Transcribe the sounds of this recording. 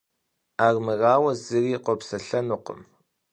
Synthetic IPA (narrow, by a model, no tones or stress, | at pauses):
aːrmɨraːwɐzɨriːqʷɔpsɐɬɐnuqə̰m